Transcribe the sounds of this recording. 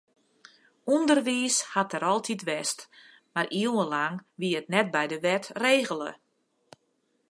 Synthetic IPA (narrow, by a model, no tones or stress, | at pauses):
undərʋiːshatəɾɔlˠtʰitʋɛst | marʔiəwəlaŋʋiəətnɛt̚bɛjdəʋɛtreːɣələ̰